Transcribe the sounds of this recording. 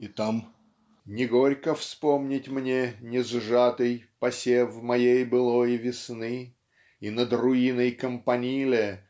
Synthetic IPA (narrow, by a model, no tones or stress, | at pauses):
it̪am | nʲɪɡo̞ɾʲkəfspomnʲɪtʲmnʲenʲɪzʐat̪ɨjpɐsʲevmɐjejbɨlˠojvʲɪsnɨ | inəd̪rʊinəjkəmpɐnʲilʲɪ